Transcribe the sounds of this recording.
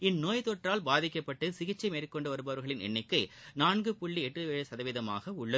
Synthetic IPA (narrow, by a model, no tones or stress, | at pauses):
ɪnːoːjt̪oːʈraːlbaːðɪkːɐpːɐʈːɯsɪɣɪt͡ʃːɐɪmeːrkːɔɳɖɯʋɐɾɯbɐʋɐɾɣɐɭɪnɛ̰ɳːɪkːɐɪnaːɳɡɯpʊɭːiɛʈrɯʋeːɻɐsɐðɐʋɪðɐma̰ːɣɐʊɭːɐð